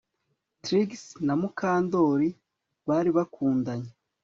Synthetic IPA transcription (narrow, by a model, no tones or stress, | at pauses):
tɾiɡsnamukaːndo̞ːɾi | βaːɾiβakʰuːndaɲe